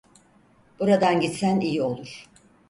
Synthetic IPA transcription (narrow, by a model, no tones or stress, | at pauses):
b̥uɾad̪anɟit̪sænijio̞lˠuɾ̥